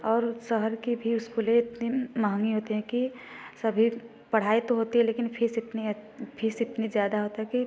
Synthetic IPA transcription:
ɔːɾsəɦəɾkibʱiʊskuleɪt̪nimaɦŋɡiɦoːt̪eɦɛ̃ki | sɐbʱi | pɐɽ̤aːit̪oɦoːt̪iɦɛ̃leːkɪnpʰɪsɪt̪nipʰisɪt̪nizjaːd̪aɦoːt̪aɦɛki

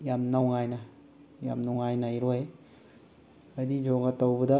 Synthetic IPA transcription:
jamnawŋajnɐ | ja̰mnawŋajnajɾoj | ɐdid͡ʒoŋɐtɐwbɐdɐ

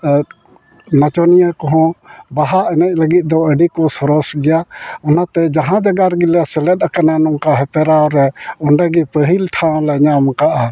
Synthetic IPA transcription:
nat͡ʃɔnijakɔɦɔ̃baɦaʔɛnɛc̚ˀləɡit̪̚d̪ɔəɖikɔsɔɾɔsɡɛjaɔnat̪ɛd͡ʒaɦãd͡ʒaɡaɾɡilɛsɛlɛt̪̚ˀakananɔŋkaɦɛpɛɾaɾɛɔɳɖaɡipəɦilʈʰãlɛɲamkaʔa

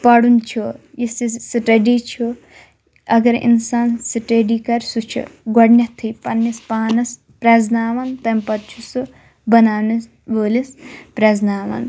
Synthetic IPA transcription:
pɐɽunt͡ʃʰujisisiʈeɖit͡ʃʰu | ɐɡɐɾḭnsaːnsiʈeɖikɐɾsut͡ʃʰṵɡɔɽnʲɐt̪ʰːɨpɐnːispaːnɐs | pɾɐznaːʋɐnt̪ɐmpɐt̪̚t͡ʃʰusɨ | bɐnaːnɐs | boːlispɾɐznaːʋɐ̰n

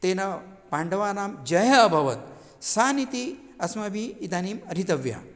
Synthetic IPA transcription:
t̪eːnɐpaːɳɖɐʋaːnaːmd͡ʒɐjɐːbʱɐʋɐt̪̚ | saːnit̪i | ɐsmɐbʱiːd̪aːniːmɐɾit̪ɐʋja̰ː

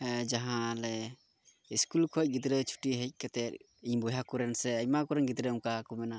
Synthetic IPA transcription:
d͡ʒaɦãlɛ | iskulkʰɔc̚ɡit̪ɾət͡ʃʰu̥ʈiɦɛc̚ˀkɛt̪ɛt̪̚ | iɲbɔjakuɾɛnsɛəcmakuɾɛnɡit̪ɾəuŋkakumɛna

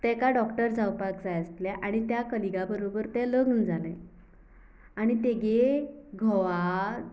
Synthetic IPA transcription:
t̪ɛkaɖɔkʈəɾd͡zawpakd͡zajəst̪lɛʔaɽ̃it̪jakəliɡabəɾobəɾt̪ɛləɡnd͡zalḛ̃ | aɽ̃it̪eɡeɡʱɔʋa

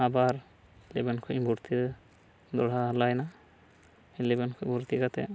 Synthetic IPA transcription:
abaɾ | lebɛnkʰuʔbʱuɾt̪ʰi | d̪ɔɽ̤alajna | lebɛnkʰɔʔbʱuɾt̪iɡat̪ɛ̰

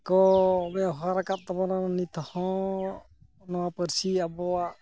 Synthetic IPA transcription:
kɔbɛɦaɾakat̚tɔbanannit̪ɔhɔ̃ | nɔwapəɾsiabɔa

